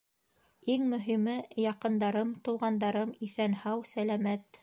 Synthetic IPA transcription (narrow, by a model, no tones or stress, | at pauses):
iŋmɵ̆ɦimɘjɑqɤ̆nd̪ɑɾɤmt̪ŏw̪ˠʁɑnd̪ɑɾɤmiθænhɑwsælæmæt̪